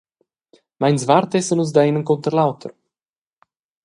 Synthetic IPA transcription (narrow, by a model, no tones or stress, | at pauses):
mɛjnsvaːɾt̪ɛsənunz̬d̪aenənkɔnt̪əɾlawt̪ʰə̰r